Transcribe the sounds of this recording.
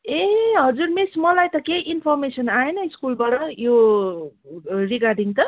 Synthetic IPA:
eɦʌd͡zuɾmesmʌlajt̪ʌkeʔinpʰʌrmesʌnaenʌiskulbaʈʌjo | riɡarɖiŋt̪ʌ

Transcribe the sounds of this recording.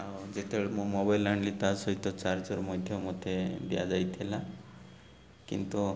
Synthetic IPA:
awd͡ʒet̪eɭemũmɔbajlaɳɖlit̪asɔɦit̪ɔt͡ʃaɾd͡ʒɔɾmɔjd̪ʱjɔmot̪ʰebija̰d͡ʒajt̪ʰila | kḭnt̪u

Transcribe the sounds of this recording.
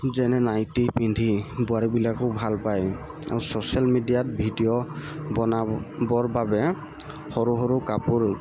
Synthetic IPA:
zɛnɛnajtipindʱibʊaɹibilakɔbʱalpaj | a̰ɹusosialmidijat̚bʱidijɔɔnabɔɹbabɛ | xɔɹuɦɔɹukapʊɹ

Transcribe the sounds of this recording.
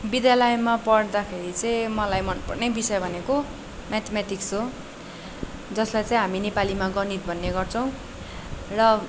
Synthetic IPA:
bid̪jalʌjmapʌɽd̪akʰeɾit͡sʌĩmʌlajmʌnpʌ̰rnebisʌjbʱʌneko | mat̪ʰemat̪iksɦo | d͡zʌslajt͡saĩɦaminepalimaɡʌnit̪̚bʱʌnːeɡʌrt͡sʰʌw̃ | rʌ

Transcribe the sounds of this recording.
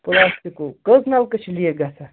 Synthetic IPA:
puɾaːst̪ikokəznalkət͡ʃʰilijeɡɐsʰa

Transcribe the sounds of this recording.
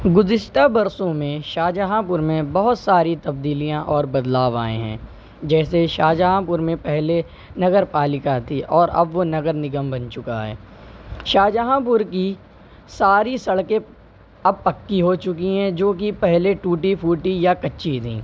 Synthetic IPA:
ɡʊzɪʃʈabɐɾsõmẽʃaːd͡ʒaɦãpʊɾmẽbɐɦʊt̪saːɾit̪ɐbd̪iːlijãʔɔːɾbɐd̪laːʋa̰ːḛ̃ɦɛ̰̃ː | d͡ʒɛːseʃaːd͡ʒaɦãpʊɾmẽpɛɦle | nɐɡəɾpaːlɪkat̪ʰiʔɔːɾɐ̰bʋonɐɡəɾnɪɡəmbɐnt͡ʃʊka̰ɦɛ̰ː | ʃaːd͡ʒaɦãp̬ʊɾki | saːɾisɐɽkẽ | ɐb̚pɐkːiɦot͡ʃʊk̬iɦɛ̃d͡ʒoːk̬ipɛɦleʈuːʈipʰuːʈijakɐtːʃit̪ʰḭ̃ː

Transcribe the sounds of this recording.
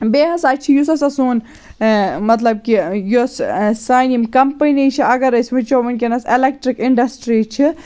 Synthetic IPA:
beːɦɐsaːt͡ʃʰijusɐsɐsoːn | mɐt̪lɐb̚kijussajnimkɐmpənnit͡ʃʰiɐɡɐɾɐsʲmɐt͡ʃoːʋɐnkʲenɐselek̚ʈɾikiɳɖɐsʈɾit͡ʃʰi

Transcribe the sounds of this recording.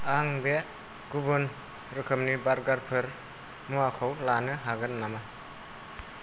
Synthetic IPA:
aŋbe | ɡ̥ubɯn | ɾɯkʰɯmnibaɾɡaɾpʰɯɾ | muakʰɔwlanɯɦaɡɯnːama

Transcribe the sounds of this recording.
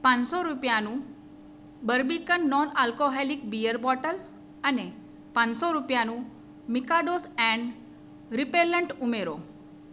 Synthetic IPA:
pãnsɔɾupjanũ | bəɾbikənːɔnalkoɦelikbijəɾbɔʈəl | əne | pãnsɔɾupjanũ | mikaɖosɛ̃ɳɖ | ɾipeləɳʈumeɾo

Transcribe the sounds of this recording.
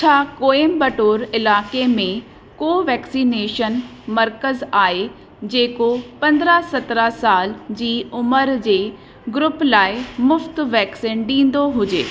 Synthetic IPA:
t͡ɕʰaːkoːembɐʈoːɾɪlaːkemẽ | koːʋɛːksiːneːʃən | mɐɾkəzaːɦe | d͡ʑeːkopɐ̃nd̪ɾasɐt̪ɾasaːld͡ʑiːʊməɾd͡ʑeː | ɡɾʊplaːɪmʊft̪ʋɛːksiːnɗĩːnd̪oɦʊd͡ʑeː

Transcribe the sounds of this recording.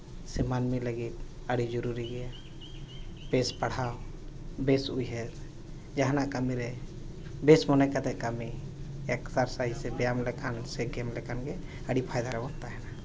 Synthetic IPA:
sɛmanmiləɡit̪əɽid͡ʒɔɾuɾiɡɛja | bespəɽ̤a | besujɦɛɾ | d͡ʒaɦnakəmiɾɛ | besmɔnɛkat̪ɛkəmi | eksaɾsaɦisɛbɛjamlɛkʰanseɡɛmlɛkʰanɡe | əɽipʰajd̪aɾɛbɔnt̪aɦɛna

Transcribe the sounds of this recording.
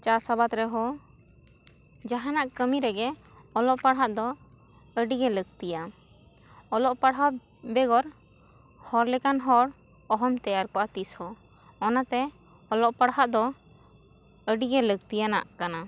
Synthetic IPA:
t͡ʃaɾsabat̪ɾɛɦɔ | d͡ʒaɦanaʔkəmiɾɛɡɛ | ɔlɔʔpaɽɦaʔd̪ɔ | əɖiɡɛləɡ̚t̪ija | ɔlɔʔpaɽɦa | bɛɡɔɾ | hɔɾlɛkanɦɔɾ | ɔɦɔmt̪ɛjaɾkɔʔat̪ishɔ | ɔnat̪ɛ | ɔlɔʔpaɽɦaʔd̪ɔ | əɖiɡɛləɡ̚t̪ijana̰ʔkana

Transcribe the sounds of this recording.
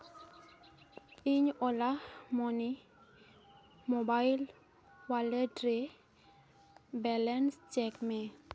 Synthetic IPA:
iɲɔlamɔni | mobajl | waledɾe | bɛlɛnst͡ʃɛkmɛ

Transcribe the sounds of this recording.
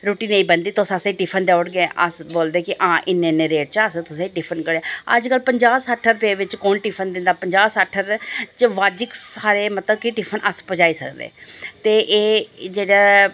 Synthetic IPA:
ɾoːʈiːnẽĩːbənd̪iːt̪ʊsãːsãiʈɪpʰənd̪ɛːʊɽɡeɛʔə̰sboːld̪eːkɪʔãːʔɪnːẽːneːɾeːʈ̚t͡ʃəst̪ʊsãiʈɪpʰənkəɽɛːəd͡ʒkəlpəɲd͡ʒaːsəʈʰːəɾpeːʋɪt͡ʃkoːnʈɪpʰənd̪ɪ̃nd̪aːpəɲd͡ʒaːsaːʈʰːəɾt͡ʃʋaːd͡ʒɪkssaːɾeːmət̪ləbkɪʈɪpʰənʔəspəd͡ʒaːiːsə̰kd̪ḛːt̪eːʔeːd͡ʒeːɽaː

